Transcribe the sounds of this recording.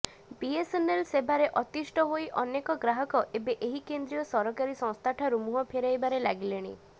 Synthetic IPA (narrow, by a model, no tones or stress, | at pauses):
biesenelsebaɾeʔɔt̪isʈɔɦojʔɔnekɔɡɾaɦɔkɔʔebeʔeɦikend̪ɾijɔsɔɾɔkaɾisɔ̃ŋst̪ʰaʈʰaɾumuɦɔpʰeɾajbaɾelaɡileɽ̃ḭ